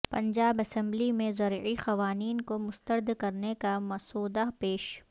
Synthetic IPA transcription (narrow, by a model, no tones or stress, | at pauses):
pɐ̃ɲd͡ʒaːbɐsɛ̃mblimẽzɐɾixɐʋaːniːnkomʊst̪əɾd̪kɐɾnekamɐsoːd̪apeːʃ